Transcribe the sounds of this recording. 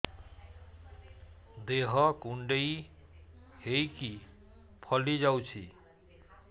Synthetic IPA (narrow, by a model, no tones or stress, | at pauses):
d̪eɦʌkuɳɖei | hejki | pʰʌlid͡ʒawt͡ʃʰḭ